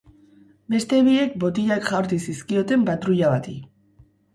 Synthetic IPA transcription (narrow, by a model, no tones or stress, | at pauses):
be̞st̪e̞βie̞k̚bo̞t̪iʎakʝawɾt̪isiskio̞t̪e̞mpat̪ɾuʎaβat̪i